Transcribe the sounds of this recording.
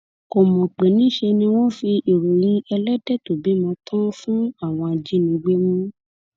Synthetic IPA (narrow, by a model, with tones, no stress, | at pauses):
ko˨mɔ̃˨k͡pe˨nĩ˦ʃe˧nĩ˧wo˦fi˧ʔi˨ɾo˨j̃ĩ˧˦ɛ˧lɛ˦dɛ˦˨to˨bi˨˦mɔ̃˧tʰɔ̃˦fũ˦a˦˨w̃ɔ̃˧a˧d͡ʒi˦nĩ˧ɡ͡be˦mũ˦